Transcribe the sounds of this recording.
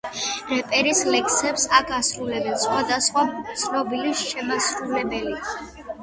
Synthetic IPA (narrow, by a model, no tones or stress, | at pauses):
ɾɛpʼɛɾislɛksɛpsakʰasɾulɛbɛnsχwad̪asχwat̪sʰnɔbiliʃɛmasɾulɛbɛli